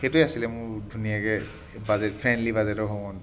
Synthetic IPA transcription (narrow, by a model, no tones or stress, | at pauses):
xetujasilɛmʊɹdʱunijakɛ | bazɛtpʰɹɛndlibazɛtɔɹɦoɡɔn